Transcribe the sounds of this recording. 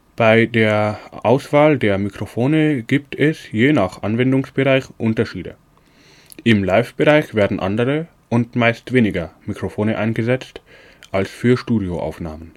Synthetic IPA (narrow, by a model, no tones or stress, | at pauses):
b̥aɪdeːɐʔaʊsv̥aːldeːɐmikʁ̥ofoːnəɡ̥iːptʰɛsjeːnaχʔanvɛndʊŋsb̥əʁaɪçʔʊntɐʃiːdə̰ | ʔɪmlaɪfb̥əʁaɪçv̥eːɐdn̩ʔa̰ndəʁə | ʔʊntmaɪstv̥eːnɪɡɐmikʁ̥ofoːnəʔaɪnɡəzɛt͡st | ʔalsfyːɐʃtuːdioʔa̰ʊfna̰ːmən